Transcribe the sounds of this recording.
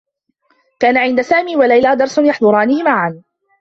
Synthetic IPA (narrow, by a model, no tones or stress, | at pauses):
kaːnaʕɪnd̪asaːmiːwalajlaːd̪ɑɾˤsʊnjɑħðˤʊɾˤɑːnɪhɪmaʕan